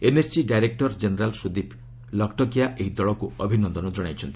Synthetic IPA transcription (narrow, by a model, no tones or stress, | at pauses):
enessiɖajɾek̚ʈɔɾd͡ʒeneɾalsud̪ipʰ | lʌkʈɔkijaʔeɦid̪ɔɭɔkuɔbʱinɔnd̪ɔnɔd͡ʒɔɽ̃ajt͡ʃʰʌnt̪i̥